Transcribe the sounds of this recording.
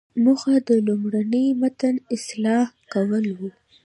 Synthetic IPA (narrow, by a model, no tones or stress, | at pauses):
muxad̪əlumɽanəjmat̪anɪslɑhkawəlwu